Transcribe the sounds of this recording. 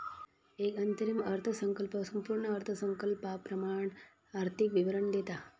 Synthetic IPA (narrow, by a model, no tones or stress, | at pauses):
eːkɐnt̪əɾimɐɾt̪ʰəsəŋkəlpəsɐmpuːɾɳəːɾt̪ʰəsəŋkəlpapɾɐmaːɳ | aɾt̪ʰikʋiʋəɾəɳd̪et̪a